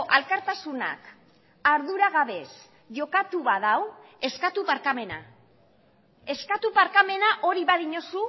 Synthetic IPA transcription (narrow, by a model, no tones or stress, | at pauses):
ʔalkaɾt̪asuna̰k | aɾðuɾaɣaβe̞s | ʝo̞kat̪uβaðawe̞skat̪upaɾkame̞na̰ | e̞skat̪upaɾkame̞naʔo̞ɾiβaðiɲo̞su